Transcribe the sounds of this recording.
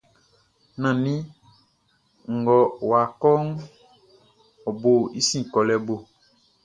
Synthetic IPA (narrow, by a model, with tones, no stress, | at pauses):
nã˨nĩ˦ | ŋ̩˨ɡɔ˨wa˨kɔ˦ŋ˦ | ɔ˨bo˨i˦sĩ˦˨kɔ˨lɛ˨bo˨